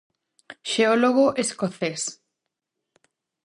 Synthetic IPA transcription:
ʃeoloɣoʔeskoθes

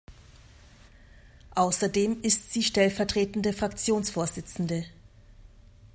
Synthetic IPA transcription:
ʔaʊsɐdeːmɪstz̥iːʃtɛlfɛɐtʁ̥eːtn̩dəfʁ̥akt͡sjoːnsfoːɐzɪt͡sn̩də

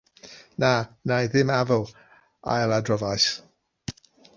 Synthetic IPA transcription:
nanajðɪmavəlˠ | a̰jlˠadrɔvajs

